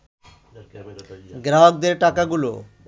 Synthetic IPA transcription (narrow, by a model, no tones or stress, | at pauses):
ɡɾaɦɔk̚d̪eɾʈakaɡulo̰